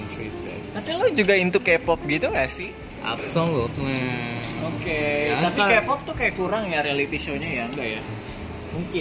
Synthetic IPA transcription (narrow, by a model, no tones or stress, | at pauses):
tɾisɛ̰t̪apilod͡ʒuɡaint̪ukepɔp̚ɡit̪uŋasɪh | ʔa̰psɔŋlɔt̪ | oket̪apikepɔp̚t̪ʊhkajakuɾaŋjaɾealit̪iʃoɲajaŋbaja | muŋkɪ